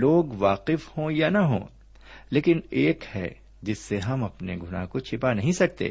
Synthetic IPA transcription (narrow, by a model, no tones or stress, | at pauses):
loːɡʋaːqɪfhõjanɐɦõ̰ː | leːkɪneːkhɛ̰ː | d͡ʒɪsːeɦɐmɐpneɡʱʊna̰kot͡ʃʰɪpanɐɦĩsɐk̚t̪ḛː